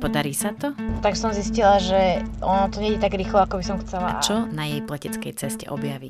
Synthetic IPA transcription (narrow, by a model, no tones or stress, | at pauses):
pɔd̪aɾiːsat̪ɔt̪aɡsɔmziscilaʒɛʔɔnɔt̪ɔɲɛɟɛt̪aɡɾiːxlɔakɔbisɔmxt͡sɛlat͡ʃɔnajɛjplɛcɛt͡skɛjt͡sɛscɛ̰ʔɔbjaʋic